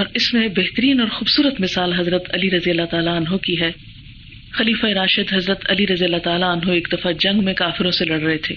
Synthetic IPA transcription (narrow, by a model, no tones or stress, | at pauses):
ɔːɾɪsmẽbɛɦt̪əɾiːnɔːɾxuːbsuːɾət̪mɪsaːlɦɐzɾət̪ɐliɾɐzijəlːat̪aːlaənɦokiɦɛː | xɐliːfaeɾaːʃɪd̪ɦɐzɾət̪ɐliɾɐzijəlːat̪aːlaənɦoeːkd̪ɐfad͡ʒɐ̃ŋɡmẽkaːfɪɾõselɐɽɾɐɦet̪ʰḛː